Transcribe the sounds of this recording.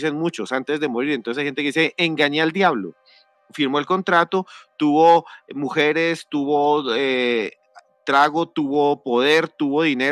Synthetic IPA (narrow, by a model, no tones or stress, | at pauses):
senmut͡ʃosant̪e̞zd̪e̞mo̞ɾiɾent̪osajhent̪ekiseʔeŋɡaɲaald̪jaβlo̰ | fiɾmo̞elko̞nt̪ɾat̪ot̪uβo̞muxe̞ɾe̞st̪uβoe | t̪ɾaɣot̪uβopo̞ð̞e̞ɾt̪uβo̞ðine